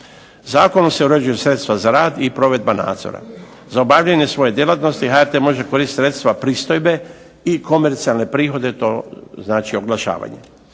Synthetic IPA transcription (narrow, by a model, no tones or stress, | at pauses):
zaːko̞nomse̞uɾed͡ʒujesɾe̞t̪st̪ʋazaɾaːd̪ipɾo̞ʋe̞d̪̚bana̰ːd̪zo̰ɾa̰ | zaobaʋʎaɲe̞sʋo̞je̞d̪je̞lˠat̪no̞st̪iɦaeɾt̪emo̞ʒeko̞ɾiːst̪sɾe̞t̪st̪ʋapɾiːst̪ojbe̞ | iko̞me̞ɾt̪sialne̞pɾiːxo̞d̪e̞t̪o̞znaːt͡ʃio̞ɡlˠaʃa̰ːʋa̰ɲe̞̰